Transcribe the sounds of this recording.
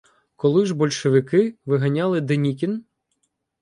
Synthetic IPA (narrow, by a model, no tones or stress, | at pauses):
kɔlˠɪʒbɔlʲʃeʋɪkɪʋɪɦɐnʲɑlˠɪd̪enʲikʲin